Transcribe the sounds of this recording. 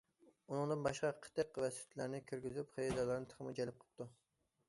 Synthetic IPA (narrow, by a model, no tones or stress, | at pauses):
unɨŋd̪ɨnbɑʃqɑqʰə̥t̪əqvɛsɪ̥t̪ʰlæɾnɪkʲʰyɾɡʲyzypχejɑd̪ɑlˠəɾnɨt̪ʰə̥ʁəmɨd͡ʒɛlɪp̚qʰə̥p̚t̪ʰu